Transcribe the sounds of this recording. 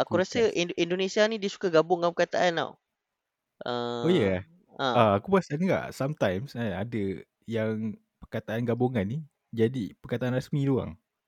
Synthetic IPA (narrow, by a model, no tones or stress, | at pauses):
ʔakuɾasəʔindonesianĩdiəsu̥kaɡabʊŋãpəkat̪aʔana̰w | ʔəojəka | ə̃aakubəasanŋɡa̰ʔsamt̪ajmsaadə | jaŋ | pərkat̪aʔanɡabuŋanːi | d͡ʒadipərkat̪aʔanɾasmĩlua̰ŋ